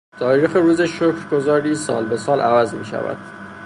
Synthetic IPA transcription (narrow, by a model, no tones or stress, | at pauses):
t̪ʰɒːɾiːxeɾuːzeʃokʰɾɡozɒːɾiːsɒ̰ːlbesɒːlʔævæzmiːʃæ̰væ̰d̪̥